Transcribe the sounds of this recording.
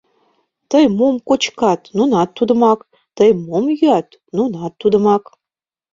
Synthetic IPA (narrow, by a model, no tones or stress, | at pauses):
t̪əjmomkot͡ɕkɑt̪nunɑt̪ːud̪ə̆mɑk | t̪əjmomjyɑt̪ | nunɑt̪ːud̪ə̆mɑk